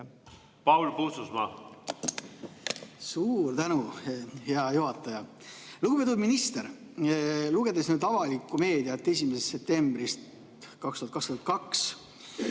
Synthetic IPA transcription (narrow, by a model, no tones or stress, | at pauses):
pɑwlpususmɑ̰ | suːrt̪ænuheɑjuɦɑt̪ːˑɑjɑ | luɡupet̪ud̪minist̪eɾ | luɡ̥ed̪̥e̞snyːd̪ɑvɑlikːˑume̞ːd̪iɑt̪ːe̞s̬ʲimesest̪se̞p̚t̪e̞mbrist̪ | kɑkst̪uɑt̪kɑkst̪uhɑt̪kɑks